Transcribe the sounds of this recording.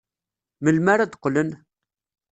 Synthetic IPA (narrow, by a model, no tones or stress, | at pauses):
məlmaɾad̪qlən